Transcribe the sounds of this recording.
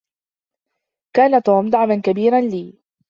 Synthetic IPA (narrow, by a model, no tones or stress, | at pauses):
kaːnat̪oːmd̪aʕmankabiːɾanliː